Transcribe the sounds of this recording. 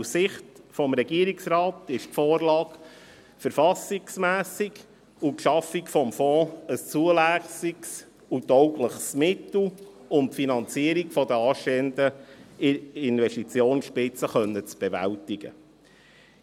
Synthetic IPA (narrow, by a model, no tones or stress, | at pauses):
ssɪχtfɔmɾɛɡiəɾiksrɑːtɪʃtfoːrlɑːk | fəɾfɑsɪksmæːsiɡ | ukʃɑfikfɔmfɔ̃ːəst͡suəlæsiks | utɔʊkləχsmɪt̪l̩ | ʊnpfinɑnt͡siəɾikfɔd̪əɑːʃteːəndə | ɪnvɛʃtit͡sjoːnʃpɪt͡səχœnːət͡sb̥evæ̰ltɪɡ̥ə̰